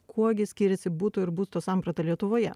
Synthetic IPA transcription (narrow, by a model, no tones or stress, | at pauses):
kʰuɔɡʲɪsʲkʲiːɾʲɛsʲɪbuːt̪ʊːɪɾbuːst̪oːsɑˑmpɾɐt̪ɐlʲiɛt̪ʊʋoːjɛ̰